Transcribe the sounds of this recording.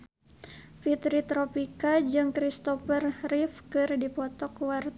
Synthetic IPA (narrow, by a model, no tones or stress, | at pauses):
fit̪ɾit̪ɾɔpikad͡ʒɨŋkɾist̪ɔfərifkɨrdipɔt̪ɔkwart̪